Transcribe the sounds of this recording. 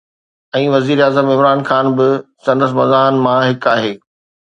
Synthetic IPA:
ɛ̃ːʋɐziːɾaːzəmɪmɾaːnxaːnbɪsɐ̃nd̪əs̬mɐzaːnmãɦɪkaːɦeː

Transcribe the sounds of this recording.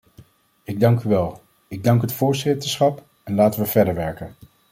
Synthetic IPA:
ɪɡ̚dɑŋkyʋɛlˠ | ɪɡ̚dɑŋkɦətfʊːɹzɪtəɹsχɑp | ɛnlaːtənʋəv̥ɛɹdəɹʋɛɹkən

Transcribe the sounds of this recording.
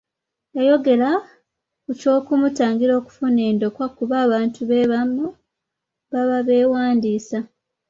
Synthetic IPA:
jajo̞ɡe̞la | kuco̞ːkumutaːŋɡiɾo̞ːku̥fune̞ːndo̞kwakuβaːβaːntuβe̞ːβamu | βaβaβe̞ːwaːndiːsa

